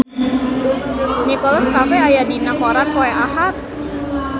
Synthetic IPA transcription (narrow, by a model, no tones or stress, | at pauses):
ɲɛkɔlɔskamɛajadinakɔɾankoɛʔaɦat̪̚